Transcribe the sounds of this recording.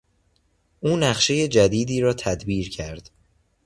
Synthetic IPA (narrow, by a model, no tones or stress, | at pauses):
ʔuːnæχʃe̞je̞d͡ʒæd̪iːd̪iːɾɒːt̪ʰæd̪biːɾcʰæɾd̪̥